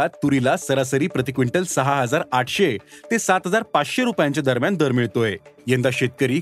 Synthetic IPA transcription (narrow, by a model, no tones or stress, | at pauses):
at̪ːuɾilasəɾasəɾiːpɾət̪ikʋiɳʈəlsəɦaɦəd͡zaɾaʈʰɕet̪esat̪ɦəd͡zaɾpat͡sɕeɾupjãɲt͡ɕjad̪əɾmjand̪əɾmiɭt̪oejẽnd̪aɕet̪̚kəɾiː